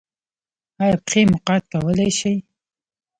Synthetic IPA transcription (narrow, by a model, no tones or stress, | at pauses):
ɑjapxemʊqɑt̪̚kawəleʃaj